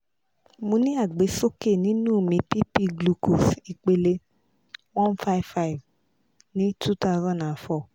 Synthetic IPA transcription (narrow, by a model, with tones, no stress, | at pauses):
mõ˧nĩ˦a˦˨ɡ͡be˨˦so˦ke˦˨nĩ˦nũː˦˨mĩ˧˦pi˦pi˦ɡlu˧ko˨si˧k͡pe˧le˧ | wɔ̃˦nfa˦i˦vfa˦i˨v | nĩ˨˦tʰu˦ta˦˧ʊzã˦nda˨nfɔ˦˨